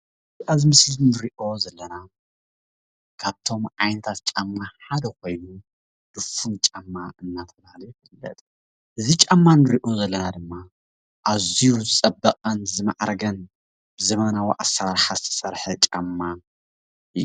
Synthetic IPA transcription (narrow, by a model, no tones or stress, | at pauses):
ʔazimɨslinɨɾiʔo̞zɐlːɐna | kʰaβt̪ʰo̞mʕajnɐt̪ʰat̪̚t͡ʃʼamːaħad̪ɐkʰo̞jnu | d̪̥ɨfunt͡ʃʼamːaɨnːat̪ʰɐbahalujɪfɨlːɐ̰t̪ʼ | ʔɨzit͡ʃʼamːanɨɾiʔozɐlːɐnad̪ɨmːa | ʔazijuzɨt͡sʼɐbːɐqʼɐnzɨma̰ʕɾɡɐn | b̥ɨzɐmɐnawiʔasːɐɾaɾħazɨt̪ʰɐ̥sɐɾħɨt͡ʃʼamːa | ɨ